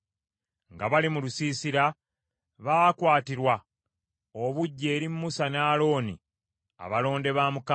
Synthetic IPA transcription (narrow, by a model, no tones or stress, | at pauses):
ŋɡaβalimulusiːsiɾa | βakwaːtiɾwa | oβuɟːe̞ːɾimːusanaːlo̞ːnḭ | a̰βalo̞ːnde̞βaːmuk